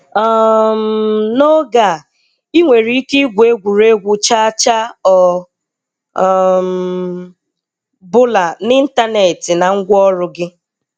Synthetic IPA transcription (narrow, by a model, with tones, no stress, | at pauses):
ɔ˦˨m̩no˦ɡa˨ | i˦ŋʷe˨ɾi˦ki˦ɡʷe˦ɡʷu˨ɾe˦ɡʷʊ˨t͡ʃa˦t͡ʃa˦ɔ˨ | m | bʊ˦la˨ni˦n̩˦ta˦ne˨tɪ˨na˨ŋ̩˦ɡʷɔ˦ɾʊ˦ɡɪ˦